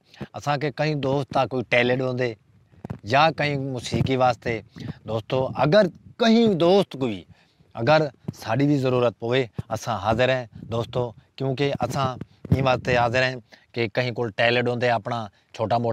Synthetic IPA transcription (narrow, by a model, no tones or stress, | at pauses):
ə̰sãːkekəɦĩːd̪oːst̪ːaːkoːiːʈeːleɖɦõːnd̪eː | jaːkəɦĩːmʊsiːkiːʋaːst̪eːd̪oːst̪oːə̰ɡəɾkəɦĩːd̪oːst̪kʊḭː | ə̰ɡəɾsaːɖiːbʱiːzəɾuːɾət̪̚poːʋeːəsãːɦaːzəɾɛ̃ːd̪oːst̪oːkjũːk̬eʔəsãː | ĩːʋaːst̪eːɦaːzəɾɦɛ̃ːkekəɦĩːkoːlʈeːleɖɦõːnd̪eːəpɳaː | t͡ʃʰoːʈaːmoː